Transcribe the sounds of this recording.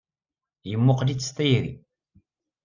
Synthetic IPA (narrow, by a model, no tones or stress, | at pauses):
jəmːʊqlit͡sːst̪æjɾḭ